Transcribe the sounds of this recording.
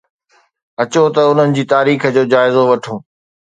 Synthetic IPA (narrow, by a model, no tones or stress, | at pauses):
ɐt͡ɕot̪ɐʊn̤ənɪ̆d͡ʑiːt̪aːɾiːxd͡ʑoːd͡ʑaːɪzoʋɐʈʰõː